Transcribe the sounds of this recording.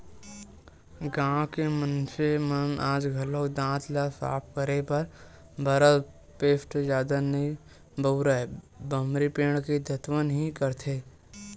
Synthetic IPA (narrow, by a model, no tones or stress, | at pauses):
ɡãːkemənsemənʔaːd͡ʒɡʱɐlõːkd̪ãːt̪lasa̰ːp̚kəɾepɐɾ | bʱəɾəd̪ | peːsʈd͡ʒjaːd̪anəĩ | bəʊɾə | bəmɾipeːɽ̃ked̪ʱət̪ʰwənɦikəɾt̪ʰeː